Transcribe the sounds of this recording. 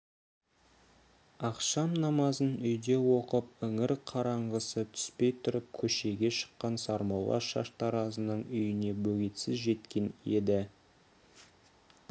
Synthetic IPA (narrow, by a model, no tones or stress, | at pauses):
ɑqʃɑmnɑmɑzənʏjd̪e̞wo̞qəp̚ʏŋɪɾqʰɑɾɑɴʁəsət̪ʰʏ̥spe̞jt̪ʰʊɾəp̚kʲʰɵʃe̞ɡʲe̞ʃə̥qːɑnsɑɾmɑwlˠɑ̰ʃɑ̰ʃt̪ɑɾɑzənəɴʏjɪne̞bɵɡʲet̪sɪzʒe̞t̪kʲe̞ne̞d̪ɪ